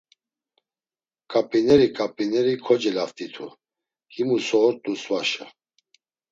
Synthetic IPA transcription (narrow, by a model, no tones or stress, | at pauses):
kʼapʼinɛɾikʼapʼinɛɾikʰɔd͡ʒɛlaft̪ʼit̪ʰṵ | himusɔːɾt̪ʼusvaʃa